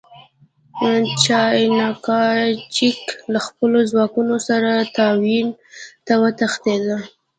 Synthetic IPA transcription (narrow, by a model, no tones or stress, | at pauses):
t͡ʃɑjnɑkɑt͡ʃiklaxpəlozwɑkunosaɾat̪ɑwint̪awət̪axt̪ed̪ə